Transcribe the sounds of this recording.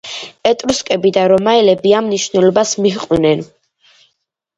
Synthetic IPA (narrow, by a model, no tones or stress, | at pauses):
ɛt̪ʼɾuskʼɛbid̪aɾɔmaɛlɛbiamniʃvnɛlɔbasmiχqʼnɛn